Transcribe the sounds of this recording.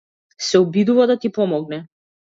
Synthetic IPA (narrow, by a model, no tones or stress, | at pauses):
sɛɔbid̪uvad̪at̪ipɔmɔɡ̚nɛ